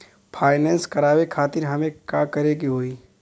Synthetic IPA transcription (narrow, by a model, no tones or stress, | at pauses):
pʰaːɪnɛ̃ːnskɐɾaːwekʰaːt̪ɪɾɦɐmẽkaːkɐɾeɡiɦoːiː